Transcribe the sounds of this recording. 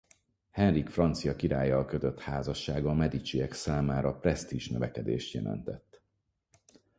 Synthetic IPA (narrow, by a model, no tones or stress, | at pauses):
hɛnrikfrɒnt̪sijɒkiɾaːjːɒlkøt̪øt̪haːzɒʃːaːɡɒmɛd̪it͡ʃiɛksaːmaːɾɒprɛst̪iʒnøvɛkɛd̪eːʃt̪jɛ̰lɛ̰nt̪ɛt̪ː